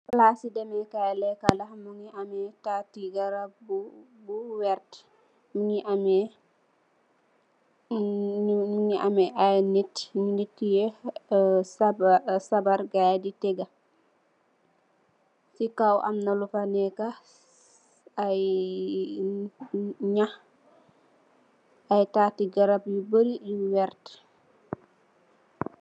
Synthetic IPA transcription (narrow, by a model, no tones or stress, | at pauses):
laːsidɛmɛkajlɛkalahmuŋiʔamɛtatiɡaɾab | buwɛɾt | miŋiʔamɛ | uŋiʔamɛʔanitŋinitːijɛ | sbsabaɾɡajditɛɡa | sikawʔa̰mnɐlupanɛka | j | ɲah | ajtaːtiɡaɾapjubəɾijuwɛɾt